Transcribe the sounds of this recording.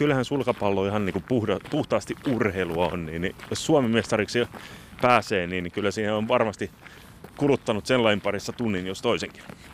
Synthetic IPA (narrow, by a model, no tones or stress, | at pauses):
kylːhænsulkɑpɑlːoihɑnniːŋkupuhdɑpuht̪ɑːst̪iurheiluɑo̰nniːnnijossuɑmemest̪ɑriksi | pæːseːniːnikylːæsiːheoʋʋɑrmɑst̪i | kulut̪ːɑnut̪selːɑimpɑrisːɑt̪unːinjost̪oiseŋki̥n